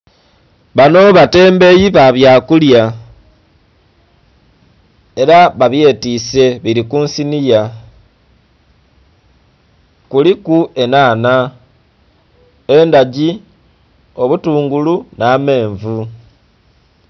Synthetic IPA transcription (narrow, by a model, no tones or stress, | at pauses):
βano̞βate̞ːmbe̞jiβaβjaːkulja | e̞ɾaβaβje̞ːtise̞βiɾikuːnsinija | kulikue̞naːna | e̞ndaɟi | o̞βutuːŋɡulunaːme̞ːɱvu